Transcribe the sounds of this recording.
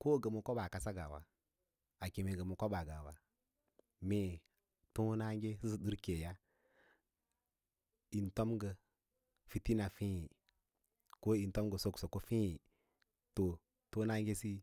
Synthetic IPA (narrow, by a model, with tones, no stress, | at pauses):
ko˦˨ɡə˨mo˨ko˦ba˨ka˦sa˦ɡa˨wa̰˨ | a˨ki˨me˨ɡə˨mo˨ko˦ba˨ɡa˨wa˨ | me˨ | to˦na˦ŋɡe˦si˦sɗu˦ɾke˨ja˦ | i˨nto˦mɡə˨ | fi˨ti˦na˨fĩ˦ji˨ | ko˦i˨nto˦mɡə˨so˦˨kso˨ko˦fĩ˦ji˨ | to˨ | to˦na˦ŋɡe˦si˦